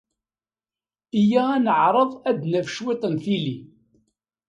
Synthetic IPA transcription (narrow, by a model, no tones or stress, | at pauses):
ijæænəʕɾˤəðˤæd̪næfəʃwɪt̪ˤənθili